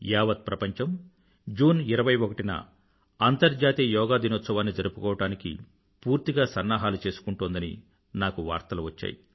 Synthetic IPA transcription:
jaːʋɐt̪̚pɾɐpɐɲt͡ʃɐm | d͡ʒuːniɾɐʋɐjokɐʈinɐ̰ | ɐnt̪ɐɾd͡ʒaːt̪iːjɐjɔːɡaːd̪inot̪sɐʋaːnːid͡ʒɐɾupukɔːʋɐʈaːnikḭ | puːɾt̪iɡaːsɐnːaːɦaːlut͡ʃe̞ːsu̥kuɳʈuːnd̪ɐnḭ | naːkuʋaːɾt̪ɐluʋɐt͡ʃːa̰ːji

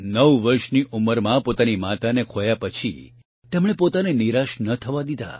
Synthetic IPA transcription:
nəʋʋəɾʃniuməɾmãpot̪animat̪anekʰojapət͡ʃʰḭ | t̪ɛmɽ̃epot̪aneniɾaʃnət̪ʰəʋad̪id̪a̰

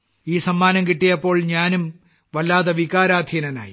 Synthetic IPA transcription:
iːsɐmːaːnɐmkiʈːijɐpːo̞ːɭɲaːnum | ʋɐlːaːðɐʋikaːɾaːd̪ʱiɐnɐna̰ːj

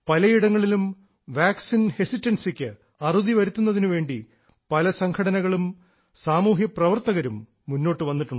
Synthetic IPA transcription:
pɐlɐjiɽɐŋːɐɭilum | ʋaːksinhesitːɐnsikʲːɨ | ɐruðiʋɐɾut̪ːunːɐðinuʋe̞ːɳɖi | pɐlɐsɐŋkʰɐɽɐnɐɣɐɭum | saːmuːɦjɐprɐʋɐrt̪ɐɣɐɾumː | unːo̞ːʈːɨʋɐnːiʈːuɳɖ

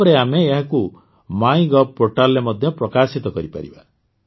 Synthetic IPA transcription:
ɔɾeameːɦaku | maj̃ɡɔpoʈalːemɔd̪ʱjɔpɾɔkasit̪ɔkɔɾipa̰ɾḭba

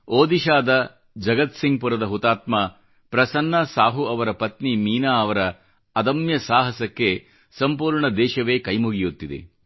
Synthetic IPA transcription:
oːd̪iʃaːd̪ɐ | d͡ʒɐɡɐt̪siŋɡ̚puɾɐd̪ɐɦut̪aːt̪ma | pɾɐsɐnːɐsaːɦuɐʋɐɾɐpɐt̪nimiːnaːɐʋɐɾɐː | d̪ɐmjɐsaːɦɐsɐkːe | sɐmpuːɾɳɐd̪ɛːʃɐʋeːkɐjmuɡijut̪ːid̪ḛ

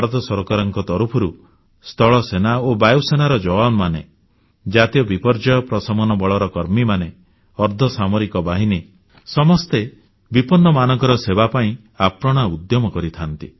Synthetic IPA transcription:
ɾɔt̪ɔsɔɾɔkaɾɔŋkɔt̪ɔɾupʰɔɾu | st̪ʰɔɭɔsenaobajusenaɾɔd͡ʒɔwanmane | d͡ʒat̪ijɔbipɔɾd͡ʒajɔpɾɔsɔmɔnɔbɔɭɔɾɔkɔɾmimane | ɔɾd̪ʱɔsamoɾikɔbaɦine | sɔmɔst̪e | bipɔnːɔmanɔŋkɔɾɔsebapaĩ | apɾɔɽ̃aud̪jɔmɔkɔɾit̪ʰant̪i

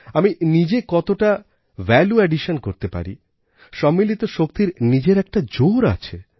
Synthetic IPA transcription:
aminid͡ʑekɔt̪oʈa | vɛljuɛɖiʃonkoɾt̪epa̰ɾḭ | ʃɔmːilit̪oʃok̚t̪iɾnid͡ʑeɾɛk̚ʈad͡ʑoɾa̰t͡ɕʰe

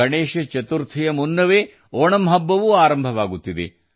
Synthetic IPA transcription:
ɐɳeːʃɐt͡ʃɐt̪uɾt̪ʰijɐmunːɐʋeː | oːɳɐmɦɐbːɐʋuaːɾɐmbʱɐʋaːɡut̪ːid̪ḛ

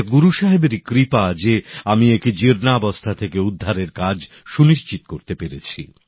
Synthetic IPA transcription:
kɡuɾuʃaɦebeɾikɾipad͡ʑeamiekid͡ʑiɾnabɔst̪ʰat̪ʰekeud̪ʱːaɾeɾkad͡ʑ | ʃuniʃt͡ɕit̪okoɾt̪epeɾet͡ɕʰi

